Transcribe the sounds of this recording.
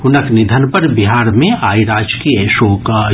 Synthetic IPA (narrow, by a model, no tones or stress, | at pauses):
hʊnəknɪd̪ʱənpɐɾbɪɦaːɾmẽʔaːiɾaːd͡ʒkiəʃoːka